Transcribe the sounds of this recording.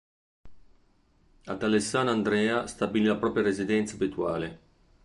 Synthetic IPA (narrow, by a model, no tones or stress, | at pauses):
ad̪alesːaːnand̪ɾɛːast̪abililapɾɔːpɾjaɾezid̪ɛnt̪sabit̪wa̰ːle